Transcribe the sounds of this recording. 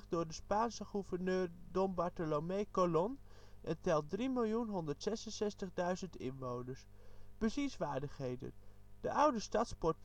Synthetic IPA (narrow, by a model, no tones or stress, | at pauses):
χ̚dʊːɹdəspaːnsəχuvəɹnøːɹdɔmbɑɹtəlomekolɔn | ʔɛntɛlˠt̚drimɪlˠjunɦɔndəɹtsɛsənsɛstəχdœɥzəntɪ̰nʋownəɹsb̥əzisʋaːɹdəχɦejdə̰n | d̥əʔʌwdəstɑtspɔɹt